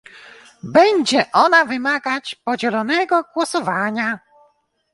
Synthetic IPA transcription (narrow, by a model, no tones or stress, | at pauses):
bɛɲʲd͡ʑɛʔɔnavɘmaɡat͡ɕpɔd͡ʑɛlɔnɛɡɔɡwɔsɔvaɲa